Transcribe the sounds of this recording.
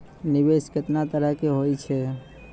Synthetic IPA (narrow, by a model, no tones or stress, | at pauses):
nɪʋeʃkət̪nat̪əɾəkeɦojt͡ʃʰe